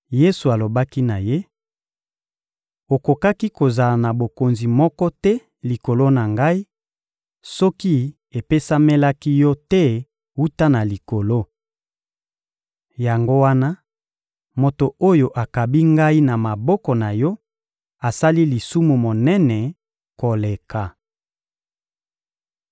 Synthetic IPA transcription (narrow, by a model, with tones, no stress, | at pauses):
je˦su˨a˨lo˨ba˦ki˦na˨je˦ | o˨ko˨ka˦ki˦ko˨za˨la˨na˨bo˨ko˨nzi˨mɔ˦kɔ˦tɛ˦ | li˨ko˨lo˦na˨ŋɡa˦i˦ | sɔ˦ki˦ | e˨pe˦sa˦me˦la˦ki˦jɔ˦tɛ˦ | wu˦ta˦na˨li˨ko˨lo˦ | ja˨ŋɡo˦wa˦na˦ | mo˨to˨o˦jo˨ʔa˨ka˨bi˦ŋɡa˦i˦na˨ma˨bɔ˦kɔ˨na˨jɔ˦ | a˨sa˦li˦li˨su˦mu˨mo˨nɛ˦nɛ˨ | ko˨le˨ka˨